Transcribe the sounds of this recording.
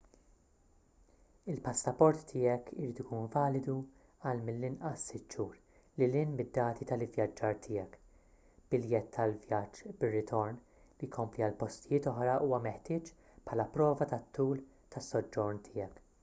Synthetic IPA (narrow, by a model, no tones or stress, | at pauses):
ɪlpɐsːɐpɔɾt̪ːɪːjɛkɪɾiːt̪ɪkuːnvɐːlɪd̪u | ɐlmɪlːɪnʔɐsːɪt̪ːʃuːɾ | lɪlɪnmɪd̪ːɐːt̪ʰit̪ɐlɪvjɐd͡ʒːɐːɾt̪ʰɪːɛk | b̥ɪljɛt̪ʰːɐlvjɐd͡ʒːbɪrːɪt̪ʰɔɾn | lijkʰɔmpliɐlpɔst̪ɪjɪːt̪ɔħɾɐʔuːwɐmɛħt̪ɪːt͡ʃ | pħɐːlɐpɾɔːvɐt̪ɐt̪ʰːuːl | t̪ɐsːɔd͡ʒːɔɾnt̪ʰɪːɛk